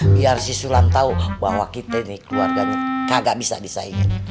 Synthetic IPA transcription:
biarsisulant̪aubaɦwakit̪ɛinikəluarɡaɲakaɡaʔbisa̰disa̰iɡan

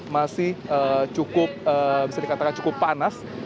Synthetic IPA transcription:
masɪhəːt͡ʃukʊp̚əbisadikat̪akant͡ʃu̥kʊpːanas

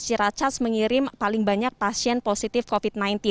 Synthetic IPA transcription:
t͡ʃiɾat͡ʃasməŋiɾɪmpalɪŋbaɲak̚pasiɛnposit̪ɪfkofit̪̚najnt̪i

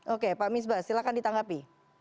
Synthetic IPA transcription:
ʔokepaʔmɪs̬basilakandit̪aŋɡapi

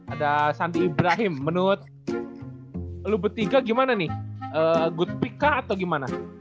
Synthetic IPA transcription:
adasandiːibɾaɦɪmːənuɾʊt̪̚ | lubərt̪iɡaɡimananɪhəɡut̪̚pikːaːt̪awɡimana

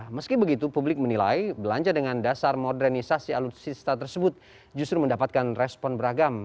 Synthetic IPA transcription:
məskibəɡit̪upublɪk̚mənila̰jbəlaɲd͡ʒadəŋandasarmodɛrnisasialut̪sist̪at̪ərsəbʊt̪̚ | d͡ʒust̪ɾuməndapat̪̚kanrɛspɔnbəɾaɡam

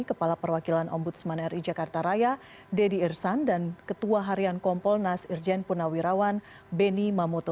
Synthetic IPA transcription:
ikəpalapərwakilanʔɔ̰mbut̪̚səmanɛɾid͡ʒakart̪aɾaja | dɛdiɛrsandankət̪uaɦaɾiankɔmpɔlnasird͡ʒɛnpunawiɾawan | bɛnimamɔt̪o

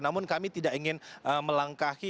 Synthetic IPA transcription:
namʊnkamit̪idaʔiŋɪnʔəməlaŋkahi

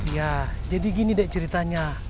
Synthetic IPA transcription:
jad͡ʒadiɡinidɛʔt͡ʃəɾit̪aɲa

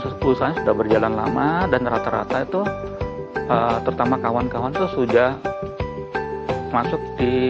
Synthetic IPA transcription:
pusaɲasudahbərd͡ʒalanla̰madanrat̪aɾa̰t̪ait̪u | ət̪əɾut̪amakawankawant̪ʊsudah | masʊk̚di

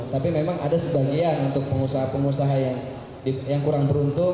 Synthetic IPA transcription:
t̪apimemaŋa̰dasəbaɡianunt̪ʊk̚pəŋusaɦapəŋusaɦajaŋ | dijaŋkuɾaŋbəɾunt̪ʊ

